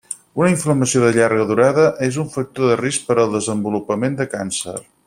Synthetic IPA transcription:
unəiɱfləməsioðəʎaɾɣ̞əðuɾaðəʔezuɱfək̚t̪oðərisk̚pəɾəlˠd̪əzəmbulupəmend̪əkansə̰r

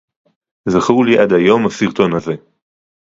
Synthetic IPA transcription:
zaχuliʔadhajo̞mhasiʁt̪o̞nhaze̞

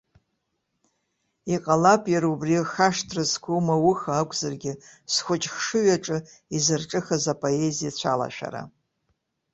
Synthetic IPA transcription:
iqʼalapʼjaɾubrixaʂtʰrɨzkʰʷumawʊxaːkʷʼzarɡʲɪsχʷʊt͡ʃʼχʂɨɥaʈ͡ʂʼɨ | izɨrʈ͡ʂʼɨxazapʼo̞ezijat͡ɕʷʰala̰ʃᶣa̰ɾa̰

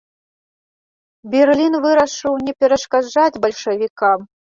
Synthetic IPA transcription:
bʲɛrlʲinvɨɾɐʂɨwnʲɛpʲɛɾɐʂkad͡ʐad͡zʲbɐlʲʂɐvʲikam

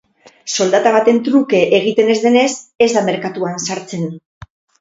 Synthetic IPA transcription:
so̞ld̪at̪aβ̞at̪e̞nt̪ɾuke̞ʔeɣ̞it̪e̞ne̞zðe̞ne̞se̞zðame̞ɾkat̪uansaɾt͡se̞n

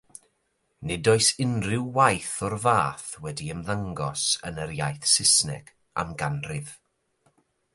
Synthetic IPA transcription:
nɛdɔɨsɪnrɪwːajθɔrvaːθwɛdiəmðaŋɡɔsə̰nəɾjajθsɪsnɛ̰ɡ̥ | a̰mɡanrɪv̥

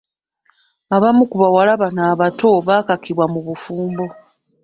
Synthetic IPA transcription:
aβamukuβawalaβanaːβato̞βaːkakiβwamuβufuːmbo̞

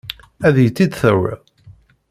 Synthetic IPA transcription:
æðjət͡sːid̪θəwːə̰

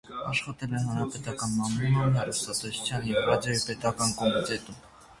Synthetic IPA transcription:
ɑʃχɑt̪ɛlɛnhɑnɾɑpɛt̪ɑkɑnmɑmulmənɛɾust̪ɑt̪ɛsu̥t͡sʰjɑnjɛvrɑd͡zjɔipɛt̪ɑkɑnkɔmit̪ɛt̪um

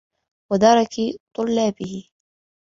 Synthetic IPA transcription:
wad̪ɑɾˤɑkit̪ˤʊlːaːbɪhɪ

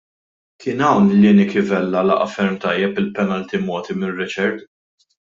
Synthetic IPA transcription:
kʰɪːnɐwnlɪːnikɪvɛlːɐlɐ̰ʔɐfɛɾmt̪ɐjːɛpɪlpɛnɐlt̪imɔːt̪imɪrːɪt͡ʃɛɾt̪

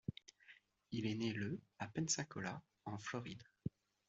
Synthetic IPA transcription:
ilɛneləapɛ̃nsɛ̃kɔla | ɑ̃flɔʁid̪

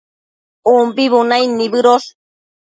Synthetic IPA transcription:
umpiβunajnibɨɾos

